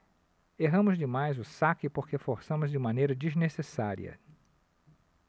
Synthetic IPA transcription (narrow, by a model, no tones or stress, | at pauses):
eɦɐ̃mʊzd͡ʒɪmajzʊsakɪpoɾkefoɾsɐ̃mʊzd͡ʒɪmɐ̃nejɾɐd͡ʒiznesesaɾḭɐ̰